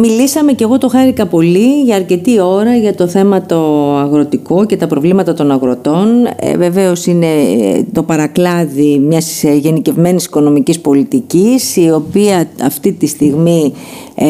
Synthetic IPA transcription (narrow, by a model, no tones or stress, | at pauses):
milisɐme̞ce̞ɣo̞t̪o̞xɐɾikɐpo̞liʝɐːɾce̞t̪io̞ɾɐʝɐt̪o̞θe̞mɐt̪o̞ɐɣɾo̞t̪iko̞ce̞t̪ɐpɾo̞vlimɐt̪ɐt̪o̞nɐɣɾo̞t̪o̞n̰ve̞ve̞o̞sine̞t̪o̞pɐɾɐklɐðimɲɐsʝe̞nice̞vme̞nisi̥ko̞no̞micispo̞lit̪icisio̞piɐɐft̪it̪ist̪iɣmi